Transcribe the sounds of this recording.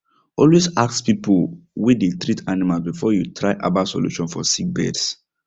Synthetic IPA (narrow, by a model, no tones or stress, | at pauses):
ɔlwesakspipuwedetɹitʰanimalsbifɔjutʰɹaɪʔa̰basɔ̰lṵʃɔ̃nfɔsik̚bɛ̰ds